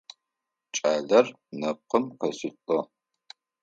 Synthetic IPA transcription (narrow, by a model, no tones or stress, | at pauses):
t͡ʃʼaːɮɐr | nɐp̚qəmqɐsɨtʼɔ